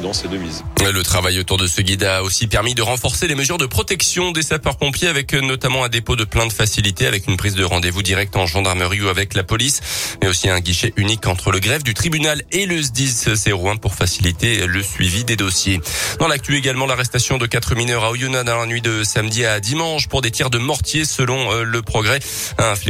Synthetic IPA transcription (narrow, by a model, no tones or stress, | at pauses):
d̪ɑ̃sed̪əmizlət̪χavajot̪uʁd̪əsəɡʲid̪aosipɛʁmid̪əʁɑ̃fɔʁseleməzyʁd̪əpχɔt̪ɛksjɔ̃d̪esapœʁpɔ̃pjeavɛknɔt̪amɑ̃ɛ̃d̪epod̪əplɛ̃d̪əfasilit̪eavɛkynpχizd̪əʁɑ̃d̪evud̪iʁɛk̚t̪ɑ̃ʒɑ̃d̪aʁməʁiuavɛklapɔlismɛosiɛ̃ɡiʃɛʔynikɑ̃t̪χələɡʁɛvd̪yt̪χibynaleləzd̪izseʁwɛ̃puʁfasilit̪eləsɥivid̪ed̪osjed̪̥ɑ̃lak̚t̪ɥyeɡalmɑ̃laʁɛst̪asjɔ̃d̪əkat̪χəminœʁaojonad̪ɑ̃lanɥid̪əsamd̪iad̪imɑ̃ʃpuʁd̪et̪jɛʁd̪əmɑʁt̪jesəlɔ̃ləpχɔɡʁɛ | ɛ̃f